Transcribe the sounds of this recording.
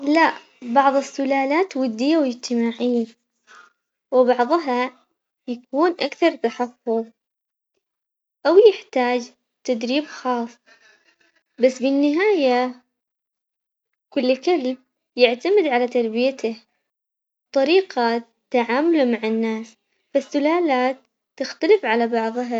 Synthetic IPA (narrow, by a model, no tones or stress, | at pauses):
laʔ | bɑʕðˤɨsːʊlaːlaːt̪wʊd̪ːɪjːawɪd͡ʒt̪ɪmaːʕijːa | wɪbɑʕðˤɦɑ | jakuːnʔakθɑɾˤt̪aħɑfːʊðˤ | ʔawjɪħt̪aːd͡ʒ | t̪ad̪ɾiːbxɑːsˤ | basːbɪnːɪɦaːja | kʊlːkalb̚ | jɪʕt̪amɪd̪ʕalat̪ɑɾˤbɪjat̪ʰa | t̪ˤːɑɾiːqa | t̪aʕaːmʊlumaʕanːaːs | fasːʊlaːlaːt̪ː | ɪxt̪alɪfʕalabɑʕðˤɦɑ